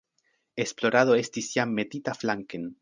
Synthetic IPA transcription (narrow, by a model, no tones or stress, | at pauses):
esploɾaðoest̪isjamːet̪it̪aflaŋken